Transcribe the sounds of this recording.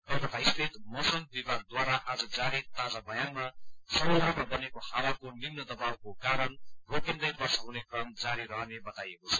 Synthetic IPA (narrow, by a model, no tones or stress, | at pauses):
ʌt̪ʌt̪aist̪ʰet̪mʌsʌmbibad̪̚d̪waɾaʔad͡zʌd͡zaɾit̪ad͡zabʌjanmasʌbʌjɾupmabʌnekohawakonimnʌd̪ʌbawkokaɾʌnrokind̪ʌjbʌrsʌɦũnekrʌmd͡zaɾiɾʌɦʌnebʌt̪ajekot͡sʰʌ̥